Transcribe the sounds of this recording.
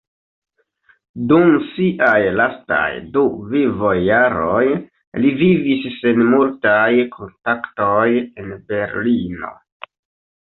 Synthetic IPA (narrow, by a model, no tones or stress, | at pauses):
dumsiʔajlasta̰jduvivojːaɾo̞j | livivisːe̞nmultajkʰo̞ntakto̞je̞nbe̞ɾlino̞̰